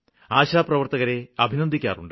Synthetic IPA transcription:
aːɕaːprɐʋɐrt̪ɐɣɐɾe̞ɐbʱinɐnd̪ʱikʲːa̰ːruɳɖ

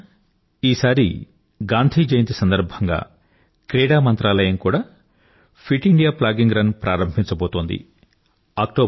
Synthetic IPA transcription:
iːsaːɾḭ | ɡaːnd̪ʱiːd͡ʒɐjɐnt̪isɐnd̪ɐɾbʱɐŋɡa̰ː | kɾɛːɽaːmɐnt̪ɾaːlɐjɐmkuːɽaː | pʰiʈiɳɖijaːplaːɡiŋɡɾɐnpɾʔaːɾɐmbʱiɲt͡ʃɐboːt̪oːnd̪ḭ | aːk̚ʈoː

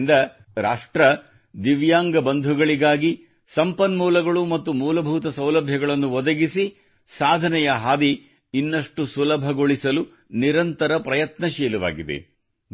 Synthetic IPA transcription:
nd̪ɐ | ɾaːʂʈɾɐ | d̪iʋjaːŋɡɐbɐnd̪ʱuɡɐɭiɡaːɡi | sɐmpɐnmuːlɐɡɐɭumɐt̪ːumuːlɐbʱuːt̪ɐsɐwlɐbʱjɐɡɐɭɐnːuʋɔd̪ɐɡisi | saːd̪ʱɐnɛjɐɦaːd̪iː | nːɐʂʈusulɐbʱɐɡoɭisɐlu | niɾɐnt̪ɐɾɐpɾɐjɐt̪nɐʃɛːluʋa̰ːɡid̪ḛ

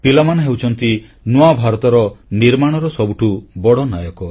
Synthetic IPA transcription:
pilamanɔɦewt͡ʃʰɔnt̪i | nuabʱaɾɔt̪ɔɾɔniɾmaɽ̃ɔɾɔsɔbuʈʰubɔɽɔnajɔkɔ

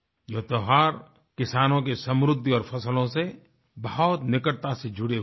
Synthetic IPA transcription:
joɦt̪oɦaːɾ | kɪsaːnõkesə̃mɾʊd̪ʱːiɔːɾpʰɐsəlõse | bɐɦɔt̪nɪkəʈ̚t̪ased͡ʒʱʊɽe

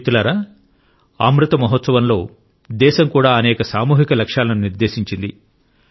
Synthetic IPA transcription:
t̪ulaːɾaː | aːmɾut̪ɐmɐɦot̪sɐʋɐnlo̞ː | d̪ɛːʃɐmkuːɽaːɐnɛːkɐsaːmuːɦikɐlɐkʂaːlɐnuniɾd̪eːʃiɲt͡ʃind̪i

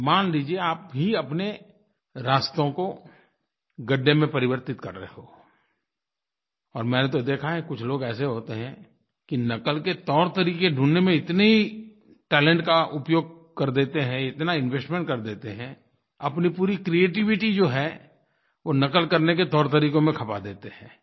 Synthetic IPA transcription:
maːnliːd͡ʒieaːpɦiɐpne | ɾaːst̪õko | ɡəɖːemẽpɐɾɪʋəɾt̪ɪt̪kɐɾːəɦeɦoː | ɔːɾmɛ̃ːnet̪̬od̪eːkʰaɦɛkʊt͡ʃʰloːɡɛːseɦoːt̪eɦɛ̃ | kinɐkəlket̪ɔːɾt̪əɾiːkeɖʱũːnːemẽɪt̪neɦi | ʈɛːlə̃ɳʈkaʔʊpjoːɡ̚ | kɐɾd̪eːt̪eɦɛ̃ɪt̪naɪ̃nʋeːsʈmẽɳʈ̚kɐɾd̪eːt̪eɦɛ̃ | ɐpnipuːɾikɾieːʈ̬ɪʋɪʈid͡ʒoːɦɛ | ʋonɐkəlkɐɾneket̪ɔːɾt̪əɾiːkõmẽkʰɐpad̪eːt̪eɦɛ̰̃ː

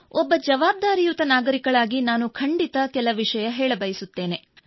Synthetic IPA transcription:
ɔbːɐd͡ʒɐʋaːb̚d̪aːɾijut̪ɐnaːɡɐɾikɐɭaːɡinaːnukʰɐɳɖit̪ɐkɛlɐʋiʂɐjɐɦɛːɭɐbɐjisut̪ːe̞ːne̞

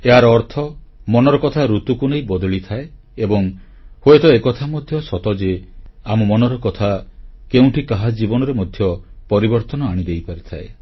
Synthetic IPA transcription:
eɦaɾɔːɾt̪ʰɔmɔnɔɾɔkɔt̪ʰaɾut̪ukunejbɔd̪ɔɭit̪ʰae | ebɔŋ | hoet̪ɔekɔt̪ʰamɔd̪ʱjɔsɔt̪ɔd͡ʒeamɔmɔnɔɾɔkɔt̪ʰakeũʈʰikaɦad͡ʒibɔnɔɾemɔd̪ʱjɔpɔɾibɔɾt̪ɔnɔaɽ̃id̪ejpaɾit̪ʰae

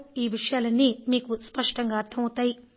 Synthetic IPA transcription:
iːʋiʂɐjaːlɐnːimiːkuspɐʂʈɐŋɡaːɾt̪ʰɐmɐt̪aːji

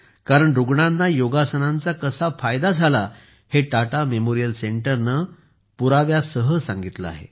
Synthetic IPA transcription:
kaɾəɳɾuɡɳãnːajoɡasənãnt͡sakəsafajd̪ad͡zʱala | heʈaʈamemoɾijəlseɳʈəɾnə | puɾaʋjasəɦəsãŋɡit̪laa̰ɦḛ

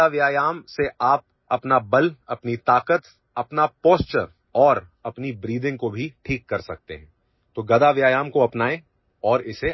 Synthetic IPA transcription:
aʋjaːjaːmseʔaːp̚ | ɐpnabɐlɐpnit̪aːkət̪ | ɐpnapɔːst͡ʃəɾ | ɔːɾɐpnibɾiːd̪ɪ̃ŋɡkobʱiʈʰiːkːɐɾsɐk̚t̪ḛɦɛ̃ː | t̪oɡɐd̪aʋjaːjaːmkoɐpnaːẽ | ɔːɾɪse

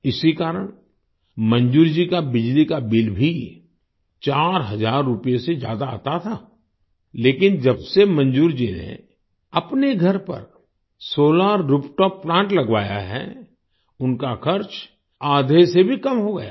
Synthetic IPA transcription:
ɪsikaːɾəɽ̃ | mɐ̃nd͡ʒuːɾd͡ʒikabɪd͡ʒlikabɪlbʱi | t͡ʃaːɾɦɐzaːɾːʊpijesezja̰ːd̪a̰ːt̪at̪ʰaː | leːkɪnd͡ʒɐbsemɐ̃nd͡ʒuːɾd͡ʒinḛ | ɐpneɡʱɐɾpɐ̰ɾ | soːlaːɾːʊpʈɔːpːlãːɳʈlɐɡʋa̰ːja̰ɦɛ̰ | ʊnkakʰɐɾt͡ʃ | aːd̪ʱesebʱikɐmɦoɡɐja̰

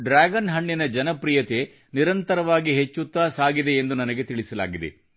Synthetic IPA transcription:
ɖɾaːɡɐnɦɐɳːinɐd͡ʒɐnɐpɾijɐt̪e | niɾɐnt̪ɐɾɐʋaːɡiɦet͡ʃːut̪ːaːsaːɡid̪e̞ːnd̪unɐnɐɡet̪iɭisɐla̰ːɡid̪ḛ

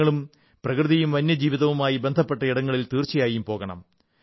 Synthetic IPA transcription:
ɐɭum | prɐkrɨðɐjumʋɐnːɐd͡ʑiːʋiðɐʋumaːjibe̞nd̪ʱɐpːe̞ʈːɐiɽɐŋːɐɭilt̪iːrt͡ɕijaːjumpo̞ːɣɐɳɐ̰m

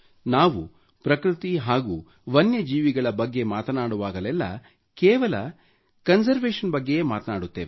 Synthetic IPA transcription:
naːʋu | pɾɐkɾit̪iɦaːɡuː | ʋɐnjɐd͡ʒiːʋiɡɐɭɐbɐɡːe̞maːt̪ɐnaːɽuʋaːɡɐlɛlːɐ̰ | kɛːʋɐlɐ | kɐnsɐɾʋeːʂɐnbɐɡːe̞jeːmaːt̪ɐnaːɽut̪ːe̞ːʋe

